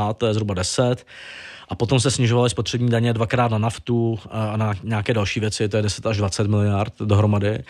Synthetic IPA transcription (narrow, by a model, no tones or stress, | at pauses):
at̪t̪ːojɛzɦɾubadɛsɛt̪ | ʔapo̞t̪o̞ms̬t̪ɛsɲɪʒovalɪspo̞t̪r̥ɛbɲiːdaɲɛdvakɾaːt̪nanaft̪uanaɲaakɛːdalʃiːvjɛt͡sɪt̪ojɛdɛsɛt̪aʒdvat͡sɛt̪mɪlɪjaɾt̪̚do̞ɦɾo̞madɪ